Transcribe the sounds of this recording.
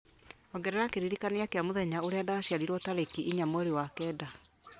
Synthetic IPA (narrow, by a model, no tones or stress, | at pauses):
ɔɡɛɾɛɾakeɾiɾikaneakeamoðɛɲaoɾeadaɕiaɾiɾwɔtaɾekiʔiɲamweɾewakɛda